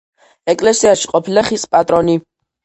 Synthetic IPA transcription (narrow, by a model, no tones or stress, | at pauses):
ɛkʼlɛsiaʃiqʼɔpʰilaχispʼat̪ʼɾɔni